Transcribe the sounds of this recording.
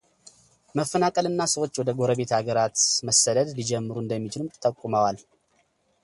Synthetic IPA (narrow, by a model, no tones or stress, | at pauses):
məfːənakʼəlɨnːasəwot͡ʃːwɔd̪əɡo̞ɾəβe̞t̪aɡəɾat̪məsːəd̪əd̪lid͡ʒɛmːɨɾuɨnd̪əmːit͡ʃʰɪlɨmt̪ʼəkʷʼːuməwal